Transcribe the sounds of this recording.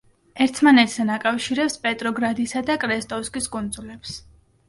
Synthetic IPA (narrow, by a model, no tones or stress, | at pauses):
ɛɾt̪ʰmanɛt̪ʰzɛnakʼafʃiɾɛpspʼɛt̪ʼɾɔɡɾad̪isad̪akʼɾɛst̪ʼɔskʼiskʼund̪zʼulɛps